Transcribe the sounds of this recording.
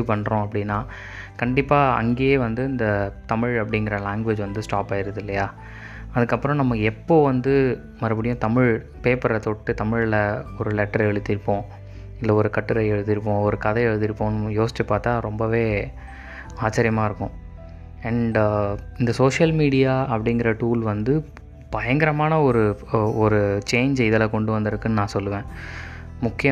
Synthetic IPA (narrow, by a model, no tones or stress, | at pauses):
pɐɳːɾõɐpːɐɽɪnːaː | kɐɳɖɪpːaːɐ̰ŋɡeːjeːʋɐnd̪ɯɪnd̪ɐt̪ɐmɪɻɐpːɐɽɪŋɡɪɾɐlaːŋɡʋed͡ʒʋɐnd̪ɯsʈaːpːaːjɪɾɯðɪlːɐjaː | ɐðɯkːɐpːɯɾɔ̃nɐmːɐɛpːoːʋɐnd̪ɯ | mɐɾɐpːɐɽɪjʊ̃t̪ɐmɪɻ | peːpɐɾɐt̪oʈːɯt̪ɐmɪɻɪlɐɔɾɯlɛʈːɐɾɛɻɯt̪ːɪɾɯpːõː | ɪlːɐɔɾɯkɐʈːɯɾɐɛɻɯðɪɾɯp̬ːõːɔɾɯkɐðɐɛɻɯðɪɾɯpːõːnɯjoːsɪ̥t͡ʃːɐpːaːɾt̪aːɾɔmbɐʋeː | aːt͡ʃːɐɾɪjɐmaːɪɾɯkːʊ̃ | ɐɳɖɪnd̪ɐsoːʂɐlmiːɽɪjaːɐpːɐɽɪŋɡɪɾɐʈuːlʋɐnd̪ɯ | b̥ɐjɐŋɡɐɾɐmaːnɐɔɾɯɔɾɯt͡ʃeːɲd͡ʒɪðɛlɐkɔɳɖɯʋɐnd̪ɪɾɯkːɯnːɯnãːsɔlːɯʋẽː | mʊkːɪjɐ